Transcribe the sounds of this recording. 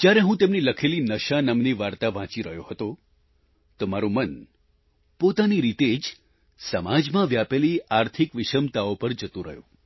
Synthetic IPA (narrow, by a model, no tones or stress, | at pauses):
d͡ʒjaɾeɦũt̪emniləkʰelinəʃanəmniʋaɾt̪aʋãt͡ʃiɾəɦjohət̪o | t̪omaɾumən | pot̪aniɾit̪ed͡ʒ | səmad͡ʒmãʋjapeliaɾt̪ʰikʋɪʃəmt̪aopəɾd͡ʒət̪ũɾə̰ɦjṵ̃